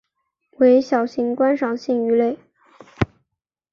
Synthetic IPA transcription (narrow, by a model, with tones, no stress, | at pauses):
we˧˥ɪɕjɑ˨˩ʊɕi˧˥ŋkwa˥nʂɑ˨˩ŋɕi˥˩ŋy˧˥le˥˩ɪ